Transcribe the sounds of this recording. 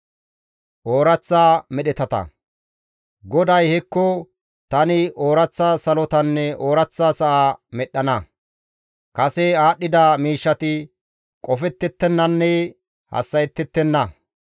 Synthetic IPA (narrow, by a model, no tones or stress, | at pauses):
ʔoːɾɐt͡sːaːmɛɗɛt̪ɐt̪ɐ̰ | ɡɔd̪ɐjhɛkːɔ | t̪ɐnɪoːɾɐt͡sːaːsɐlɔt̪ɐnːɛo̞ːɾɐt͡sːaːsɐʔaːmɛɗːɐnɐ | kɐsɛaːɗːɪd̪amiːʃːɐt̪ɪ | kʼɔfɛt̪ːɛt̪ːɛnːɐnːɛ | hɐ̰sːɐjɛt̪ːɛt̪ːɛnːɐ